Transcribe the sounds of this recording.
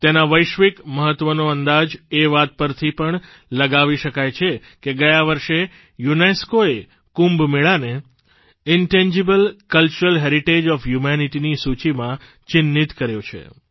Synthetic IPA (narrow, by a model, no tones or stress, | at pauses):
t̪enaʋəjʃʋikməɦət̪ːʋənoənd̪ad͡ʒeʋat̪̚pəɾt̪ʰipəɳ | ləɡaʋiʃəkajt͡ʃʰe | keɡəjaʋəɾʃe | juneskoe | kũmbmeɭane | ɪɳʈɛ̃ɲd͡ʒebəlkəlt͡ʃuɾəlɦeɾiʈed͡ʒɔfjumɛniʈinisut͡ʃimã | t͡ʃɪnːit̪kəɾjot͡ʃʰḛ